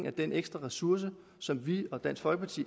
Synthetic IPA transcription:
ŋæd̥eneɡ̥sd̥ʁɐʁɛsuɐ̰s̬ə | sɒ̽mʋiɒ̽d̥æn̰sfɒlɡ̥əpʰɑ̈t͡sʰḭː

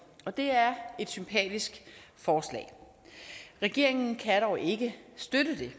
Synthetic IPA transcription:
ɒ̽d̥e̝æɐe̝d̥sympʰɛ̰ːd̥isɡ̥fɒːslɛ̰ː | ʁɛɡ̥e̝ɐ̰e̝ŋn̩kʰæɾ̥ɒʊʔe̝ɡ̥əsd̥ødəd̥e̝

